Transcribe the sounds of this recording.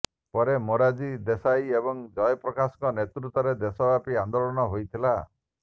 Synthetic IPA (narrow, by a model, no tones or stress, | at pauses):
pɔɾemoɾad͡ʒid̪esajebɔŋd͡ʒɔjɔpɾɔkasɔ̥kɔnet̪ɾut̪ɔɾed̪esɔbapiand̪olɔnɔɦojt̪ʰila